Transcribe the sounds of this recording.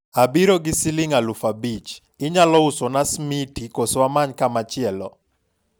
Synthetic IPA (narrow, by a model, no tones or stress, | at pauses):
abiɾoɡɪsɪlɪŋalufabit͡ʃ | ɪɲalɔʊsɔnasmitikoswamaɲkamat͡ʃɪɛlɔ̰